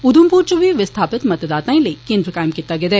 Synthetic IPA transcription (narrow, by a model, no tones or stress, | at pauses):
ʊd̪umpuːɾt͡ʃuʋiʋɪst̪ʰaːpɪt̪mɐt̪d̪aːt̪ãĩlekẽːnd̪ɾəkaːjmkit̪ːaɡed̪ɛ